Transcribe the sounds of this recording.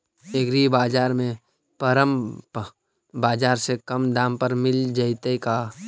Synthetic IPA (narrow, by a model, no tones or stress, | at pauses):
eɡɾibaːd͡ʒaːɾmẽ | pəɾəm | baːd͡ʒaːɾsekɐmd̪ãːmpəɾmɪld͡ʒaɪt̪eka